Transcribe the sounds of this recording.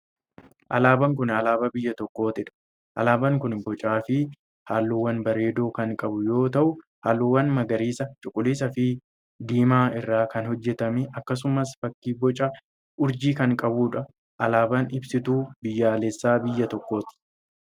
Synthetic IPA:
ʔɐlaːbɐŋkʊnɐlaːbɐbɪjːɐt̪ɔkːo̞ːt̪ɪᶑɐ̥ | ʔɐ̰laːbɐŋkʊnbɔt͡ʃʼaːfɪ | haːlːuːwːɐnbɐɾe̞ːd̪o̞ːkɐŋkʼɐbʊjo̞ːt̪ɐʔʊ | haːlːuːwːɐnmɐɡɐɾiːsɐt͡ʃʼʊkʼːʊliːs̬ɐfɪ | d̪iːmaːɪrːaːkɐnhɔd͡ʒːɛt̪ɐmɪʔɐkːɐs̬ʊmɐsfɐkːiːbɔt͡ʃʼɐ | ʔʊɾd͡ʒiːkɐŋkʼɐbuːᶑɐ | ʔɐlaːbɐnɪbsɪt̪uːbɪjːaːlɛsːaːbɪjːɐt̪ɔkːo̞ːt̪ɪ̥

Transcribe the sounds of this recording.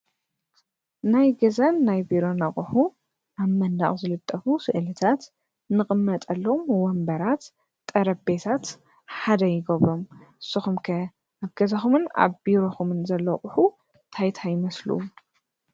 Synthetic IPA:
najɡɐzanːajbiɾo̞nɐχʼħu | ʔaβmɐnd̪a̰χʼzɨlɨt̪ʼːɐfusɨʔlɨt̪ʰat̪ | nɨχʼɨmːɐt̪ʼɐlːomwɔmbɐɾat̪ | t̪ʼːɐɾɐbe̞t̪ʰat̪ | ħad̪ɐjɪɡɐβɾo̞mʔɨsːɨxumkʰɐ | aβɡ̥ɐzɐxumɨna̰βbiɾoxumɨnzɐlːoχʼʊħu | t̪ʰajt̪ʰajɪmɐslṵ

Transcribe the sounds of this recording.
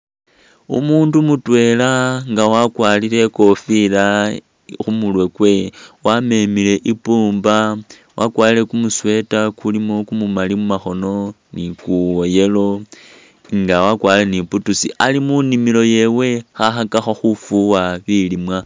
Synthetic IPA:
ṵmuːndumutwe̞laŋɡawakwaːlile̞ko̞fila | xumulwe̞kwe̞wame̞mile̞ʔipuːmba | wʔakwaːlile̞kumuswe̞takulimo̞kumumalimumaxo̞no̞ | nikuoje̞lo̞ | ŋɡawakwaːileniputusḭalimunimilo̞je̞we̞xaxakaxoxufuwaβilimwa

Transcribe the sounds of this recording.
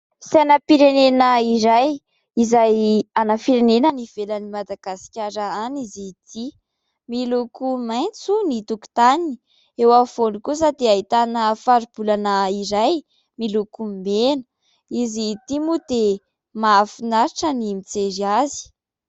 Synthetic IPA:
senəpiɾenenəiɾaj | izajanafiɾenenəniv̥elənimad̪aɡ̥asi̥kʲaɾaanizit̪ʰi | milukumajnt͡sunit̪uku̥t̪anii̥ | ewav̥onikusad̪eaɦit̪anəfaɾub̥ulanəiɾaj | milukumenə | izit̪imud̪e | maafinaɾiʈ͡ʂənimit͡seɾiazi̥

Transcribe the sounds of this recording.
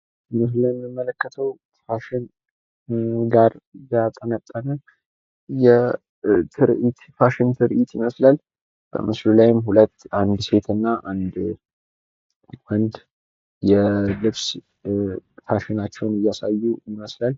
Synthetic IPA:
mɨsləmːɨmːələkːət̪ʰəw | faʃɪn | ɡaɾjat̪ʼːənət̪ʼːənə | jɛ | t̪ʰɨɾit̪faʃɪnt̪ʰɨɾʔit̪jɪməslal | b̥ə̰mɨslulajɪmhulət̪ːʔand̪se̞t̪ʰɨnːaʔand̪ | wɔnd̪ | jɛlɨβs | faʃɪnat͡ʃːɛwnɨjːasajːujɪməslal

